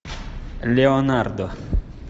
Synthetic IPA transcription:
leonaɾd̪o

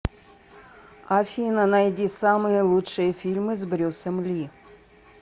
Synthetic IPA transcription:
afʲinənajdʲisamɨjəlˠutʂɨjəfʲilʲmɨzbɾʲosəmlʲi

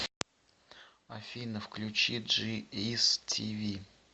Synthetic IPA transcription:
afʲinəfklʲʉt͡ɕiʐɨistʲʰivʲi

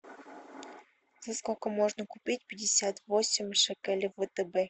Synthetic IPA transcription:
zɐskokəmoʐnəkʊpʲit̚ʲpʲɪdʲɪsʲat̪vosʲɪmʲʂɨkɛlʲvvət̪əbɛ

